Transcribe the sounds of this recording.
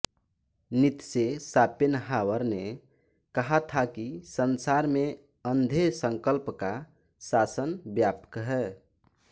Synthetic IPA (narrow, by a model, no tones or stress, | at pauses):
nit̪sesapenɦawəɾne | kəɦat̪ʰakisənsaɾme | ənd̪ʱesəŋkəlpka | sasənbjapkɦɛ